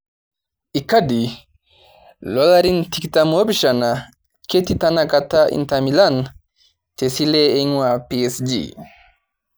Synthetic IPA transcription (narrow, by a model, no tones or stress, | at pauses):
ʔikadi | lɔlaɾintiktamobiʃana | ketitanakataʔḭntamilan | tesilɛeŋwapiesd͡ʒḭ